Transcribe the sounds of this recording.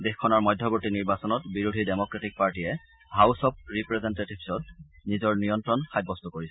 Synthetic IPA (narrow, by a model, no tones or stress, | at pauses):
dexkʰːɔnaɹmɔjdʱjɔboɹtiniɹbasɔnɔtbiɹudʱidemɔkɹatik̚paɹtijɛ | ɦawsɔp̚ɹipɹɛzɛntetibsɔt̚nizɔɹnijɔntɹɔnxajbːɔst̪ɔkoɹisɛ